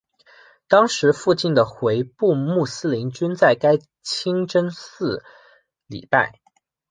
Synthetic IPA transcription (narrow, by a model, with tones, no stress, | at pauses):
t̪ɑ˥ŋʂɻ̩˧˥fu˥˧t͡ɕi˥˩nd̪ə˩xwe˧˥ɪpu˥˧mu˥˩sɹ̩˥li˧˥nt͡ɕy˥nt͡sa˥˩ɪka˥ɪ | t͡ɕʰi˥ŋʈ͡ʂə˥nsɹ̩˥˩ | lḭ˨˩pa̰˥˩ɪ